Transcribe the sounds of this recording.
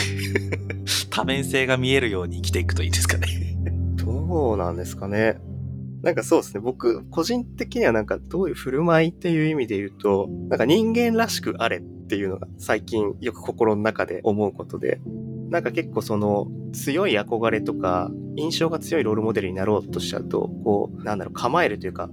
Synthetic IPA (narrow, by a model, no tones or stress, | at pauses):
t̪ʰamẽ̞ɰ̃se̞ːɡamʲie̞ɾɯ̟jo̞ːɲ̟iːkʲi̥t̪e̞ikɯ̥t̪o̞iːd̪esɨ̥kaned̪̥onã̰nd̪e̞sɨ̥kane̞ | nʔãŋkaso̞ːd̪esɨne̞bo̞kɯ̟ko̞ʑĩnt̪e̞kʲiɲ̟iβanãŋkad̪̥o̞ːjɯ̟ɸɯ̟ɾɯ̟mait̪ːe̞jɯ̟ːimʲid̪e̞jɯ̟ːt̪o̞nãŋkaɲĩŋɡẽ̞nɾaɕi̥kɯ̟ʔaɾe̞t̪ːe̞jɯ̟ːno̞ɡa̰saikʲĩɰ̃jo̞kɯ̟̥ko̞ko̞ɾo̞nonakad̪e̞̰ʔo̞mo̞ɯ̟ko̞t̪o̞d̪e̞̰nãŋkake̞kːo̞ːso̞no̞t͡sɨjo̞iako̞ɡaɾe̞t̪o̞ka̰ĩɰ̃ɕo̞ːɡat͡sɨjo̞iɾo̞ːɾɯ̟mo̞d̪e̞ɾɯ̟ɲ̟inaɾo̞ːt̪ːo̞ɕi̥a̰ɯ̟t̪o̞̰ko̞ːnãnd̪aɾo̞̰kʰamaeɾɯ̟t̪ojɯ̟ka̰